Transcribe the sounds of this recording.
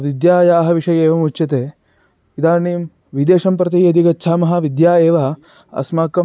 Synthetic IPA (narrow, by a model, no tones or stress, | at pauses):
ʋid̪jaːjaːɦɐʋiʂɐjeːʋɐmut͡ʃɐt̪eː | id̪aːniːm | ʋid̪eːʂɐmpɾɐt̪̬iɐd̪iɡɐtːt͡ʃʰaːmɐɦɐʋid̪jaːeːʋɐ | ɐ̰smaːkːɐ